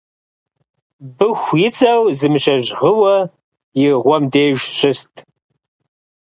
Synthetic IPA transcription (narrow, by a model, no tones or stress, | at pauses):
bɨxʷjɪt͡sʼɐwzɨmɨʃɐʒʁəwɐ | jɪʁʷɔmdeːʒɕɪstʼʰ